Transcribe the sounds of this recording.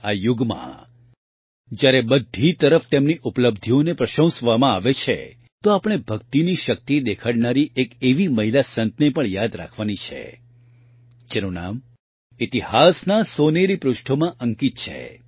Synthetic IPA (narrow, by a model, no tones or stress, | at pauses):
ajuɡmã̰ | d͡ʒjaɾebəd̪ʱit̪əɾəft̪emniʔupləbd̪ʱionepɾəʃə̃w̃sʋamãaʋet͡ʃʰḛ | t̪oapəɽ̃ebʱəkt̪iniʃək̚t̪id̪ekʰaɽnaɾiʔekeʋiməɦilasə̃nt̪nepəɳjad̪ɾa̰kʰʋanit͡ʃʰḛ | t͡ʃenuna̰m | it̪ihasnasoneɾipɾʊʃʈʰomãʔəŋkit̪̚t͡ʃʰḛ